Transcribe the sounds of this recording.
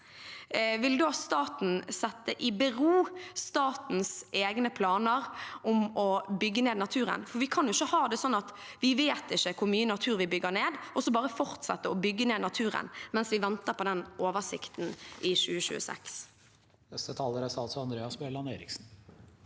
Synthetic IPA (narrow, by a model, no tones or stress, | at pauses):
ʋɪld̪ost̪ɑːt̪n̩sɛt̪ːəʔɪbɛɾuːst̪ɑːt̪n̩sʔeːɡnəpʰlɑːnəɾʊmɔbʏɡːəneːd̪nɑt̪ʰʉːɾə̰nfɔɾʋɪkʰɑnjʊɪçːəhɑːd̪ɛsɔnːɑt̪ | ʋɪʋeːt̪ɪçːəkʰʊɾmyːənɑt̪ʰʉːɾʋɪbʏɡːəɾneːd̪ʔɔsɔbɑːʁəfɔʁt̪sɛ̰t̪ːəɔbʏɡːəneːd̪nɑt̪ʰʉːɾə̰nmɛnsʋɪʋɛnt̪əɾpɔd̪ɛnʔoːʋəsɪ̰kt̪n̩ʔɪɕʉːəɕʉ̰ːə̰sɛ̰ks | nɛst̪ət̪ʰɑːləɾəsɑlsɔɑnd̪ɾeːɑsbɛlɑneɪɾɪksn̩